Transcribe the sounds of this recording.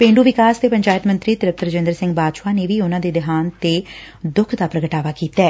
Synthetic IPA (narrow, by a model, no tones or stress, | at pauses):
pẽːɳɖuːʋɪkaːst̪eːpəɲd͡ʒaːjət̪mə̃nt̪ɾiːt̪ɪɾəp̚t̪əɾd͡ʒɪ̃nd̪əɾsɪ̃ŋɡ̚baːd̪ʃwaːneːʋiːʊnãːd̪eːd̪ɪɦaːnt̪eː | d̪ʊkʰd̪aːpɾəɡəʈaːʋaːkiːt̪aɛː